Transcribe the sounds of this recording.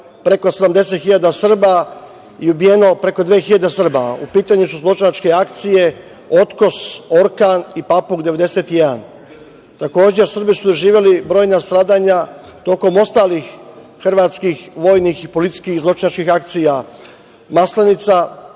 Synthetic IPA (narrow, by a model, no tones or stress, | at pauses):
pɾe̞ko̞sed̪amd̪e̞s̬et̪xiʎad̪asr̩ba | iubijeno̞pɾe̞ko̞d̪ʋeːxiʎad̪esr̩baupiːt̪aɲusuzlˠo̞t͡ʃinat͡ʃke̞akt̪sije̞ | o̞t̪ko̞so̞ɾkanipapuɡd̪e̞ʋe̞d̪e̞set̪jed̪a̰n | t̪ako̞ːd͡ʑesr̩bisud̪oʒiːʋjelibɾo̞ːjnast̪ɾaːd̪aːɲa | t̪o̞ko̞mo̞st̪aːlixxrʋaːt̪skixʋoːjnixipo̞lit̪si̥skixzlo̞t͡ʃinat͡ʃkixak̚t̪sija | maslenit̪sa